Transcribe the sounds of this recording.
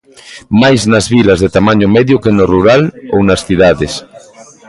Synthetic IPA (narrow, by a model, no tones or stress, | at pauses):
majznazβilazðet̪amaɲomɛðjokenoruɾalo̰wnasθiðaðes